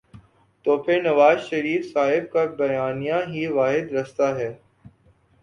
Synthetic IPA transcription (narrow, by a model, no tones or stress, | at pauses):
t̪oːpʰɪɾnɐʋaːzʃɐɾiːfsaːɦɪbkabɐjaːnijãɦiʋaːɦɪd̪ɾɐst̪aɦɛː